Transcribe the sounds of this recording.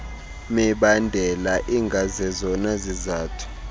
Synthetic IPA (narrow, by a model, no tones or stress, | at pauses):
mɛɓandʱɛlaʔiŋɡʱazɛzɔnazizaːtʰu̥